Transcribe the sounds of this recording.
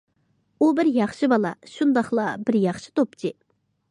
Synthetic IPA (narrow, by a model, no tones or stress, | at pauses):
ʔobarjaχɕəpalaɕʰond̪aχlabərjaχɕə̥t̪op̚t͡ɕe